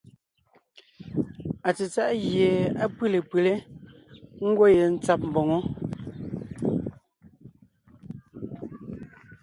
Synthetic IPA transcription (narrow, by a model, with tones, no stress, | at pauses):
a˨t͡se˨t͡sa˦ʔɣje˨a˦pɨ˦le˨pɨ˨le˦ | ŋ̩˦ɡwo˦je˨n̩˦t͡sa˦p̚m̩˨bɔ˨ŋo˦